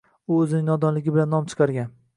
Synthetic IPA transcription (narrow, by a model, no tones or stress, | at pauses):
ʊɵzɪnɪŋnɒd̪ɒnlɪɡʲɪbɪlanːɒmt͡ʃʰɨ̥qʰɑɾɡʲan